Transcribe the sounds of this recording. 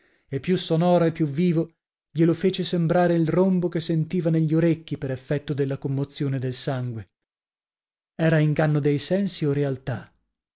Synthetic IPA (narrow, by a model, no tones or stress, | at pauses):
epːjusːonɔːɾoepːjuvːiːvo | ʎelofeːt͡ʃesembɾaːɾeilrombokesːent̪iːvaneʎːoɾekːipeɾefːɛt̪ːod̪elːakomːot̪sjoːned̪elsaŋɡwe | ɛːɾaiŋɡanːod̪ejsɛnsioɾealt̪a